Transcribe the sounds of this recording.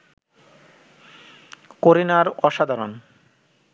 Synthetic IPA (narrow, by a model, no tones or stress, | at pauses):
koɾinaɾɔʃad̪ʱaɾon